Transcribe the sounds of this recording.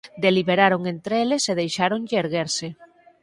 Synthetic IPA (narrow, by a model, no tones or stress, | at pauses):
d̪eliβeɾaɾoŋent̪ɾeeleseðejʃaɾoŋʎɪːɾɣeɾsɪ